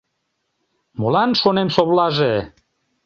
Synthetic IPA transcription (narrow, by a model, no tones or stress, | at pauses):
molɑnʃonemsoβlɑʒe